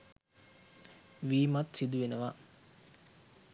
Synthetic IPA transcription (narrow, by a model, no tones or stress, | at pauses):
ʋiːmat̪sid̪uʋenəʋa